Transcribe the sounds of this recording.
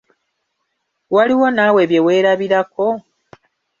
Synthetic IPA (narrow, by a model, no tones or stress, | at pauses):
waliwo̞naːwe̞βje̞we̞ːɾaβiɾako̞